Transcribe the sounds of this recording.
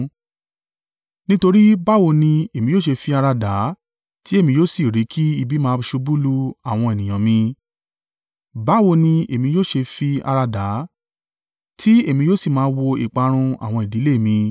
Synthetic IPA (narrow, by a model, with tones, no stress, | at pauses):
nĩ˦to˧ɾi˦ba˦wo˧nĩ˧e˨mĩ˧joː˦˨ʃe˧fi˧a˧ɾa˧da˨˦ | ti˦e˦˨mĩ˧joː˦˨si˨ɾi˨˦kʰi˦i˧bi˦mãː˦˧ʃu˧bu˦lu˧a˨w̃ɔ̃˧e˨nĩ˨j̃ã˨mĩ˧ | ba˦wo˧nĩ˧e˨mĩ˧joː˦˨ʃe˧fi˧a̰˧ɾa˧da˨˦ | tʰi˦e˦˨mĩ˧joː˦˨si˦˨mãː˧˦˧wo˧ḭ˨k͡pa˧ɾ̃ũ˧a̰˦˨w̃ɔ̃˧i˨di˨˦le˦˨mĩ˧